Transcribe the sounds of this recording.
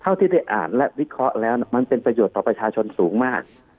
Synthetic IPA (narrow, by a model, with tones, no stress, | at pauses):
t̪ʰa˥˩wt̪ʰiː˥˩da˥˩jʔa̰ː˨˩nlɛ˦˥ʔwi˦˥kʰɾɔ˦˥ʔlɛː˦˥wnma˧npe˧npɾa˧juː˨˩t̪ːɔː˨˩pɾa˧t͡ɕʰaː˧t͡ɕʰo˧nsuː˩˦ŋmaː˥˩k̚